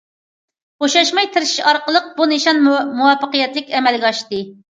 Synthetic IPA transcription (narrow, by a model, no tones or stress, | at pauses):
oʃɑʃmɑjt̪ʰɪɾɪʃi̥ʃɑɾqəlˠəq̚bunɨʃɑnmuwɑpːəqəjɛt̪lɪkʲɛmɛlɡʲɛɑʃt̪ɨ